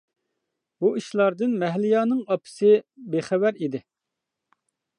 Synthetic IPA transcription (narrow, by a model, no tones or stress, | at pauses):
buiʃlˠɑɾd̪ɨnmɛɦlɪjɑːnɨŋɑpʰɪ̥sɪbeχɛvæɾid̪ɪ